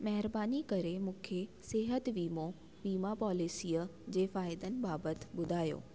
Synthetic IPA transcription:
mɐɦɪɾbaːnikɐɾemũːkʰesɪɦət̪ʋiːmo | ʋiːmapɔːlisiːəd͡ʑeːfaːɪd̪ənɪ̆baːbət̪ɓʊd̪ʱaːjo̰ː

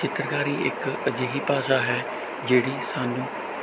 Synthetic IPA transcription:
t͡ʃɪt̪ɾəkaːɾiːɪ̰kəd͡ʒeːɦiːpaːsaːɦɛː | d͡ʒeːɽiːsaːnũː

